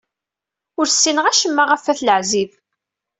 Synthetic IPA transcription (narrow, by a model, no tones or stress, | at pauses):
ʊɾsːinəʁæʃəmːaʁæfæθləʕziv